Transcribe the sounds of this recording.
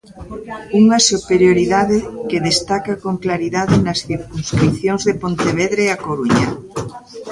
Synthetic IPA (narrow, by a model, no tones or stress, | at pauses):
uŋɐsupeɾjoɾiðaðɪkeðest̪akakoŋklaɾiðaðɪnɐsθiɾkuŋskɾipθjoŋzðepont̪eβ̞eðɾeakoɾuɲɐ̰